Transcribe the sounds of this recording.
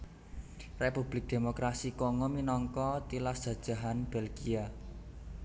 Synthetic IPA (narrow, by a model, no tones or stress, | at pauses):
repub̥lɪk̚d̥e̤mokɾasikɔŋɔminɔŋkɔt̪ilasdd͡ʒ̥ä̤d̥ʒ̥a̤ɦanb̥elɡia